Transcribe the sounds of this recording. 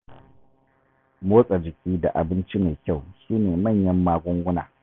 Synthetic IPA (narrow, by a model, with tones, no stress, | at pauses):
moː˦sʼa˨d͡ʒɪ˨kʲiː˦da̰˨ʔa˨bɪ˦nt͡ʃi˦meː˨kʲa˦˨wʃiː˦neː˨mɐ˦˨ɲjɐ˦mːaː˦ɡʷʊ˦ŋɡʷʊ˦na̰ː˨